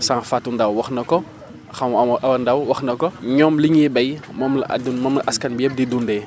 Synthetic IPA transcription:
saŋfatːundɐwwɐxnɐkɔ | xɐmɐʔɐwɐndɐwwɐxnɐkɔɲɔmliɲibɐjmɔmlɐ̰ʔdunmɔmlɐʔɐskɐnbiep̚didundɛː

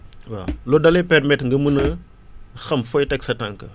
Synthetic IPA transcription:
wa̰lɔdɐlɛpɛrmɛtŋɡɐmənɐ | xɐmfɔjtɛksɐtɐŋkɐ

